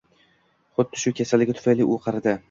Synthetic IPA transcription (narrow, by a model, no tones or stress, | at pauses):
χʊd̪ːɪʃʊkʲʰe̞salɪɡʲat̪ʰʊfajliʔʊqʰɑɾd̪ɪ